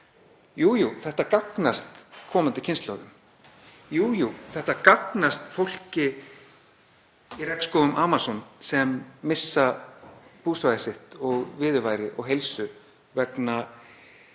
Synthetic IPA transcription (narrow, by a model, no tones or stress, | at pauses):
juːjuθɛht̪akaknast̪kʰɔːmant̪ɪcʰɪnst̪laːwðʏm | juːjuθɛht̪akaknast̪fowl̥cɪ | iɾɛk̪skɔːwɣʏmʔaːmasɔnsɛmːɪsːa | puːsvajsɪht̪ɔɣvɪːðʏvaːjɾɪʔɔ̰ɣɦejlsʏ | vɛkna